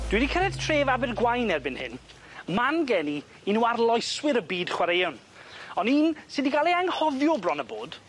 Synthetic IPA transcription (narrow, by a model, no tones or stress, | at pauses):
d̥wɪdikʰəɾɛd̥tʰreːvabɪrɡwajnɛrbɪnhɪ̰n | manɡɛniː | nuarlˠɔjswɪɾəbiːd̥χwaɾejɔn | ɔniːnsɪdiɡalˠeaŋhɔðjɔbrɔnəboːd̥